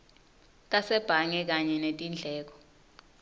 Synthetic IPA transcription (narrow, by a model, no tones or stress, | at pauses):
tʼasɛb̥ʱaŋɛk̬aɲɛnetʼind͡ɮʱɛːk̬ɔ̥